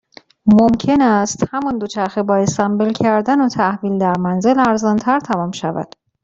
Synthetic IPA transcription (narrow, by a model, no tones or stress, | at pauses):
momcʰe̞næst̪hæmɒnd̪ot͡ʃʰæɾxebɒːest̪æmbelcʰæɾd̪ænot̪ʰæhviːld̪æɾmænze̞læɾzɒnt̪ʰæɾt̪ʰæmɒːmʃævæ̰d̪̥